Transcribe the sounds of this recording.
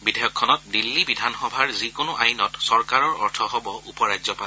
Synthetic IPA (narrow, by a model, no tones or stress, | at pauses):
bidʱɛjɔkʰːɔnɔt̚dilːibidʱanxɔbʱaɹzikonʊʔajnɔtsɔɹkaɹɔɹɔɹtʰɔɦɔbɔʔupɔɹajzɔpal